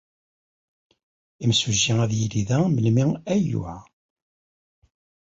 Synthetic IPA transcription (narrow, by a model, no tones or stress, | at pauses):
imsuʒːiæðjiliðæməlmiæjʊ̰ʕ